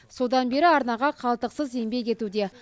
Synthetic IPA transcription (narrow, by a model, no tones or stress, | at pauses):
so̞d̪ɑnbe̞ɾɪɑɾnɑʁɑqʰɑlˠt̪əqsəze̞mbe̞kʲe̞t̪ud̪e̞